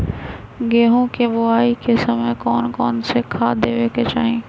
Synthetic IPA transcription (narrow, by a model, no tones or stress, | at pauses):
ɡeːɦõkebʊaːikesɐməkɔːnkɔːnsekʰaːd̪eːʋeːket͡ʃaːɦẽː